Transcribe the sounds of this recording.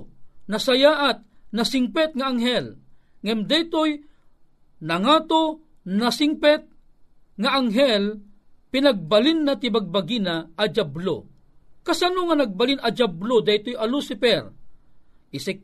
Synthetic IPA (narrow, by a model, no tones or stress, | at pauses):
nɐsajaːʔat̪̚nɐsɪŋpɛt̪̚ŋaaŋɦɛlŋɐmd̪ajt̪oj | nɐŋat̪o | nasɪŋpɛt̪̚ | ŋaʔaŋɦɛl | pɪnaɡ̚balinːat̪ɪbaɡ̚baɡinaːd͡ʒablo̰ | kasanoŋanɐɡ̚balinɐd͡ʒablod̪ɐjt̪ojalusɪpɛɾ | ɪsi